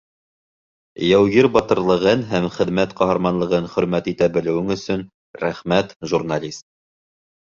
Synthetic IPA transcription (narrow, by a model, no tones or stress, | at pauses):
jæwɣiɾbɑt̪ɤ̆ɾlˠɤ̆ʁɤnɦæmχɘ̆ðmæt̪qɑɦɑɾmɑnlˠɤ̆ʁɤnχɵ̆ɾmæt̪it̪æbɘ̆lɘ̆wɘŋɵ̆sɵn | ɾæχmæt̪ʒurnalʲist̪̚